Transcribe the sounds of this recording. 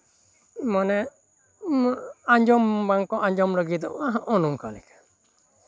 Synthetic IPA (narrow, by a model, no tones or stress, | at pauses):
mɔnɛ | aɲd͡ʒɔmbaŋkɔʔaɲd͡ʒɔmɾɔɡid̪ɔaɦaʔɔnuŋkalɛkḁ